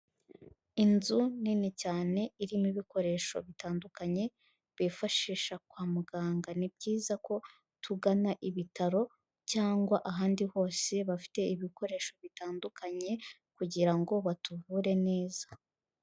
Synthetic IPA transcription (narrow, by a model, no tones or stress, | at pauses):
inzuninicaːne̞iɾimiβiko̞ɾe̞ʃo̞̰βitaːndukaɲe̞ | βifaʃiːʃak̚waːmuɡaːŋɡanib̚ɟiːzako̞ | tʰuɡanaʔiβitaɾo̞ | caːŋɡwaʔaɦaːndiho̞ːse̞βafi̥te̞iβiko̞ɾe̞ːʃo̞βitaːndukʰaɲe̞ | kuɟiɾaŋɡo̞βatuvuːɾe̞ne̞ːz̥ḁ